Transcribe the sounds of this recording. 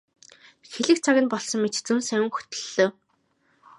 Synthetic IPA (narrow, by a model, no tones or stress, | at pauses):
xeɮɘ̆kt͡sʰaɣʲɘ̆npɔɮsɞ̆mmːet͡ɕt͡sunsæwʲɘ̆ŋxu̥t̪ɵ̥̆ɮːoː